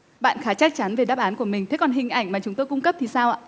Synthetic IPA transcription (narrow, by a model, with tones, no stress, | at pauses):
ɓa̰ː˧˨nxaː˨˦t͡ɕaː˦˥k̚t͡ɕa˨˦nve˨˩ɗaː˦˥p̚ʔaː˨˦nku˧˩əmï˨˩ŋ̟t̪ʰe˨˦kɔ˨˩nɦï˨˩ŋ̟ʔa˧˩jŋ̟maː˨˩t͡ɕʊ˨˦ŋ͡mt̪o˧jkʊ˧ŋ͡mkə˦˥p̚t̪ʰi˨˩saː˧wʔa̰ː˧˨